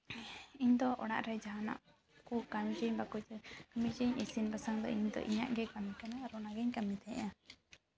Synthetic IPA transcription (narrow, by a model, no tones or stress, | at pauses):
iɲd̪ɔʔɔɽa̰ʔɾɛd͡ʒaɦana̰ʔ | kukamid͡ʒiɲbakutɛkamid͡ʒiɲisinbasaŋd̪ɔ̰iɲd̪ɔ̰ʔiɲa̰ʔɡɛkamikanaːɾɔnaɡɛɲkamit̪ɛɛʔã